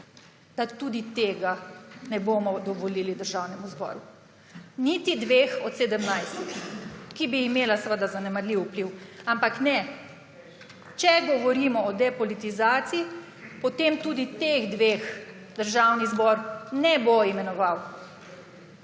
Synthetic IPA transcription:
d̪̥at̪ud̪it̪eːɡanɛbomɔd̪ɔʋɔlilid̪əɾʒawnɛmuzbɔ̰ːɾu | nit̪id̪ʋeːxɔt̪sed̪əmnajst̪kibiːmeːlasʋəd̪azanɛmaɾliwupliwampaknɛ | t͡ʃɛɡɔʋɔɾimɔɔd̪ɛpɔlit̪izaːt̪sii | pɔt̪emt̪ud̪it̪eɣd̪ʋeːx | d̪̥əɾʒawnizbɔɾnɛboimɛnɔʋaw

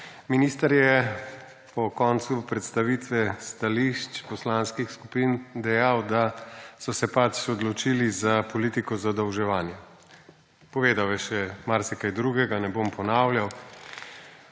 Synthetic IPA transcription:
miniːst̪ɐɾjɛ | pɔkɔːnt̪supɾɛt̪st̪aʋit̪ʋɛst̪aliʃt͡ʃpɔslanskixskupind̪ɛjawd̪asɔsɛpat͡ʃɔd̪lɔt͡ʃiːlizapɔliːt̪ikɔzad̪ɐwʒɛʋaːnjɛ | pɔʋeːd̪awɛʃɛmaɾsɛkajd̪ɾuɡɛɡanɛbompɔnaːwlʲjaw

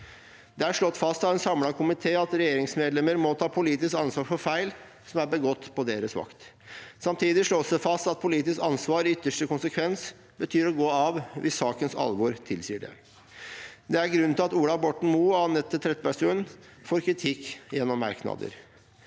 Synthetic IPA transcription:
d̪̥ɛæʂɭɔt̪ːfɑst̪ɑʋɛnsɑmlɑkʰʊmɪt̪ʰeːɑt̪ɾɛjeːɾɪŋsmeːd̪lɛməɾmɔt̪ʰɑːpʰʊliːt̪ɪskɑnsʋɑːɾfɔɾfæɪl | sɔmæɾbəɡɔt̪ːpʰɔd̪eːɾəsʋɑ̰kt̪ | sɑmt̪ʰiːd̪ɪʂɭoːsəfɑst̪ɑt̪̚pʰʊliːt̪ɪskɑnsʋɑːɾʏt̪ːəʂʈəkʊnsəkʰʋɛns | bət̪ʰyːɾɔɡoːɑʋʋɪsːɑːkənsɑ̰lʋʊɾt̪ʰɪlsiːəɖɛ̰ | d̪ɛæɾɡɾʉnʰɪlɑt̪uːlɑbɔʈɳ̩muːɑnɛt̪ːət̪ʰɾɛt̪ːpæʂʉːn | foːɾkʰɾɪt̪ʰɪkːjɛnːɔmːɑ̰ɾknɑ̰d̪ə̰ɾ

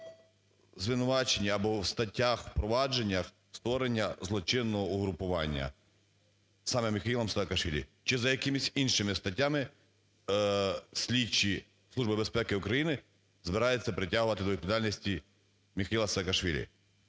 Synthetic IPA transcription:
zʋɪnʊʋɑt͡ʃenʲːiɐbɔwst̪ɐtʲːaxwpɾɔʋɑd͡ʒe̞nʲːɐx | st̪ʋɔɾenʲːɐzlˠɔt͡ʃɪnːɔɦɔʊɦɾʊpʊʋɑ̰nʲːɐ̰ | sɑmɛmʲɪxɐilˠɐmsaːkɐʃʋʲilʲḭt͡ʃɪzɐjɐkɪmɪsʲinʃɪmɪst̪ɐtʲːamɪ | sʲlʲit͡ʃi | sˠuʒbɪbespɛkɪʊkɾɐjinɪ | zbɪɾɑjet͡sʲːɐpɾɪtʲaɦʊʋɐt̪ɪd̪ɔʋʲit̪pd̪alʲnʲisʲtʲi | mʲɪxɐjilˠɐsɐːkɐʃʋʲilʲḭ

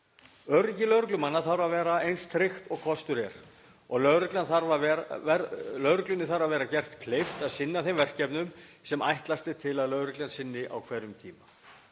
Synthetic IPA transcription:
œɾɪcɪlœɥɾʏklʏmanːaθaɾvavɛːɾaejnst̪ʰɾɪxt̪ɔɣkʰɔst̪ʏɾɛɾ̥ | ɔɣlœɣɾɪklanθaɾvavɛɛlœɥɾʏklʏnɪθaɾavɛːɾacɛr̥t̪kʰlejft̪aðsɪnːaθejmvɛr̥cɛpnʏmsɛma̰jht̪last̪ɪt̪ʰɪlaðlœːɥɾʏklansɪnːɪʔa̰wkʰvɛɾʏmt̪ʰḭːma

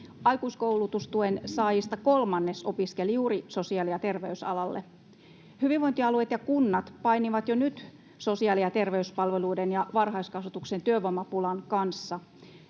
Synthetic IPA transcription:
ɑjkuiskoulut̪ust̪uensɑːjist̪ɑkolmɑnːesopiskeljuːriso̞siɑliɑt̪e̞rʋeysɑ̰lɑlːḛ | hyʋiʋʋoint̪iɑluet̪jɑkunːɑt̪pɑiniʋɑt̪jonyt̪ | so̞siɑːliɑt̪e̞rʋeyspɑlʋeluːdenjɑʋɑrɦɑiskɑsʋut̪uksent̪yøʋomɑpulɑnkɑnsːɑ

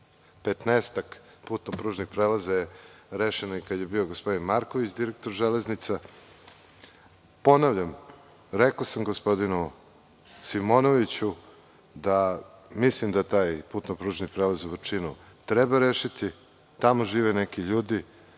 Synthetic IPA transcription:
pet̪nest̪ak | puːt̪nopɾuːʒnixpɾelazajeɾeʃenoikad̪je̞bioɡospo̞d̪inmaɾkoʋit͡ɕd̪iɾek̚t̪o̞ɾʒeleznit̪sa | po̞naʋʎʲam | ɾekosamɡospo̞d̪inu | simonoʋit͡ɕu | d̪a | mislimd̪at̪aːjpuːt̪nopɾuːʒnipɾelazuʋɾt͡ʂinu | t̪ɾebaɾeʃit̪i | t̪amoʒiːʋenekiʎuːd̪i

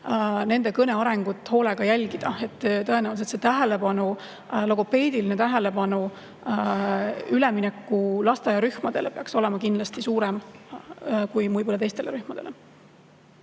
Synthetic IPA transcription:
ne̞nd̪e̞kɤne̞ɑɾe̞ŋɡ̥ut̪ːˑho̞ːle̞ɡ̥ɑjælʲɡ̥id̪̥ɑe̞t̪ːt̪ɤ̞e̞næwliset̪set̪æɦe̞le̞pɑnu | loɡope̞ːd̪iline̞t̪æɦe̞le̞pɑnu | yleminɛkːulɑst̪ejɑɾyhmɑd̪̥e̞lepeɑkso̞le̞mɑkind̪lɑst̪isuːɾem | kujmujpolːɑt̪e̞jst̪eleɾyhmɑd̪̥e̞le̞

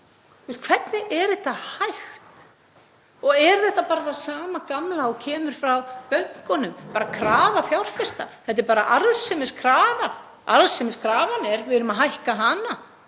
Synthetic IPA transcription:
t̪ʰuɛst̪̚kʰv̥ɛt̪nɪʔɛɾðɛht̪ːahajxt̪ | ɔɣɛɾθɛht̪ːapaːɾaθaðsaːmakamlaɔcʰɛːmʏɾ̥fɾawpœɥŋ̥kɔnʏmpaːɾakʰɾaːvafjawr̥fɪst̪a̰θɛt̪̬ɛɾpaːɾa̰ʔaɾðsɪmɪskʰɾaːvan | a̰ɾðsɪmɪskʰɾaːvanɛɾvɪɪɾʏmaɦajhkaɦana

